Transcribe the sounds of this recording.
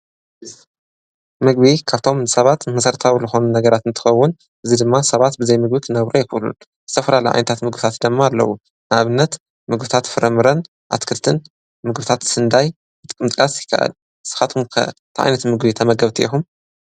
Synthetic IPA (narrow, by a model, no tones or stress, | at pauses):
mɨɡβikʰaβt̪ʰo̞mɨsɐβat̪mɐsɐɾt̪ʰawizɨxo̞nunɐɡɐɾat̪ɨnt̪ʰɨ̥xɐwːʊn | ʔɨzid̪ɨmːasɐβat̪bɨzɐjmɨɡ̚bikʰɨnːɐβɾojɪxɨʔlṵn | zɨ̥t̪ʰɐfɐlalɐjʕa̰jnɐt̪ʰat̪mɨɡbɨt̪ʰat̪d̪ɐmːaːlːɐ̰wu | nɨʔaβɨnːɐt̪ | mɨɡbɨt̪ʰat̪fɨɾʔɐmɨɾɐn | ʔa̰t̪kʰɨlt̪ʰɨn | mɨɡbɨt̪ʰat̪sɨnd̪aj | bɨt̪ʼɨkʼɨmt̪ʼɨkʼasjɪkʰːɐ̰ʔɐ̰l | sɨ̥xat̪ʰumkʰɐ̰t̪ʰʔa̰jnɐt̪mɨɡbit̪ʰɐmɐɡɐβt̪ʰiixum